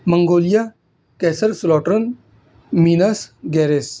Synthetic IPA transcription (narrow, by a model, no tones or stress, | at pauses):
məŋɡoːlija | kɛːsəɾslɔːʈɾən | minɐsɡɛːɾes